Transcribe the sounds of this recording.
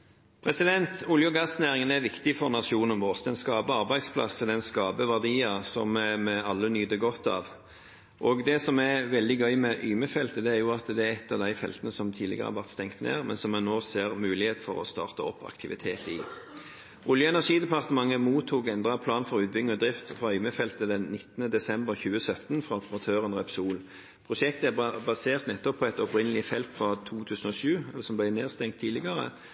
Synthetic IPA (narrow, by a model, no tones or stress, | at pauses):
pʰʁɛsɪd̪ɛnt̪ʰʊljʊɡɑt̪snæːʁɪŋənæʋɪkt̪ɪfɔʁnɑʂuːnənʋɔst̪ɛnskɑːbəɑʁbæɪd̪spʰlɑ̰səd̪ɛnskɑːbəʋæʁd̪iːɑsɔmmɛɑlːənyːd̪əɡɔt̪ːɑ̰ʋ | ʔɔɡd̪ɛsɔmæʋɛld̪ɪɡœʏmɛʔyːməfɛlt̪əd̪ɛæʁjʊɑt̪d̪ɛæɛt̪ːɑʋd̪æɪfɛ̰lt̪ənəsɔmt̪ʰiːlɪɡəʁəhæ̰ʁʋæʁt̪st̪ɛŋt̪nḛːʁmɛnsɔmːɛnoːseːʁmʉːlɪheːt̪fɔʁɔst̪ɑ̰ːʁt̪əɔpːɑ̰kt̪ʰɪʋɪt̪ʰeːt̪ɪ̰ | ʔʊljəɛnæʁʂiːd̪ɛpʰɑʁt̪əmɑŋːəmuːt̪ʰːuːkɛnd̪ʁɑpʰlɑːnfɔʁʉːt̪̚bʏŋːəɔd̪ʁɪft̪fʁɑœʏməfɛlt̪əd̪ɛnnɪt̪ːənəd̪ɛsɛmbəʁçʉːəsœt̪nfʁɑɔpəʁɑt̪ʰøːʁənʁɛpsuːl | pʰʁʊʃɛkt̪əæbɑseːʁt̪nɛt̪ːɔpʰːɔːɛt̪ɔpʁɪnəlɪfɛlt̪fʁɑt̪ʰuːt̪ʰʉːsən̩ɔːʃʉːɛlːəsɔmblæɪneːʁst̪ɛŋt̪ʰːiːlɪɡɑʁə̰